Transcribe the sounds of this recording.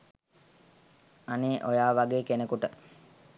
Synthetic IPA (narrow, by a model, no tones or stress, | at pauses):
aneːʔojaːʋaɡeːkenekuʈə